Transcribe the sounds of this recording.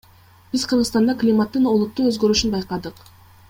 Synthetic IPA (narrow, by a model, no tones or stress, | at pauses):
b̥izqʰɯɾʁɯst̪ɑnd̪ɑklʲimat̪ːɯno̞lˠut̪ːuøzɡø̞ɾyʃynbɑjqɑd̪ɯq